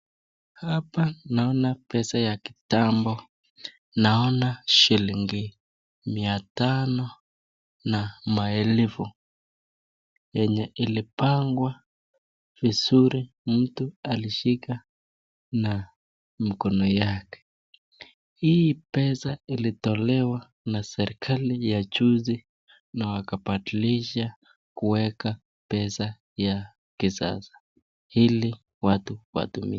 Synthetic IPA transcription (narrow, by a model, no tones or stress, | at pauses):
hapanaɔnapɛsajaki̥tambɔ | naɔnaʃiliŋɡi | miatanɔ | namaɛlɛvu | jɛɲɛʔilipaŋɡwa | vizuɾi | m̩tualiʃika | na | mikɔnɔjakɛ̥ | hiipɛsailitɔlɛwa | nasɛɾikʰalijat͡ʃuzi | nawakapatiliʃa | kuwɛka | pɛsa | ja | kisa̰zḁ | hili | watuwa̰tumḭa